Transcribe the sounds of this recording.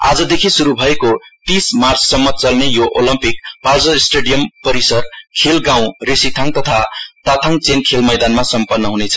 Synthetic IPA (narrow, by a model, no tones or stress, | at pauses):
a̰d͡zʌd̪ekʰisuɾubʱʌekot̪ismart͡sʰsʌmːʌt͡sʌlnejoʔolʌmpikpald͡zʌsʈeɖijʌmpʌɾisʌrkʰelɡãw̃resit̪ʰaŋt̪ʌt̪ʰat̪at̪ʰaŋt͡senkʰelmʌjd̪anmasʌmpʌnːʌɦunet͡sʰʌ